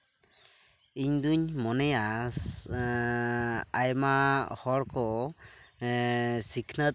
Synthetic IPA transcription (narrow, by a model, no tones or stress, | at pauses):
iɲd̪uɲmɔnɛja | ajmahɔɽkɔ | sikʰnət̪